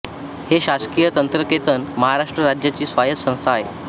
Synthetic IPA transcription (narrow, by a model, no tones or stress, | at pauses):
heɕaskijət̪ənt̪ɾəket̪ənməɦaɾaʂʈɾəɾad͡ʑjat͡ɕiːsʋajət̪sə̃st̪ʰaːɦḛ